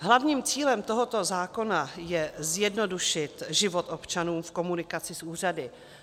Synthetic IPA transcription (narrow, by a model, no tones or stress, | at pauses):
ɦlavɲiːmt͡siːlɛmt̪o̞ɦot̪o̞zaːko̞najɛzjɛdno̞duʃɪt̪ʒɪvot̪ʔopt͡ʃanuːmfko̞munɪkat͡sɪsʔuːr̝adɪ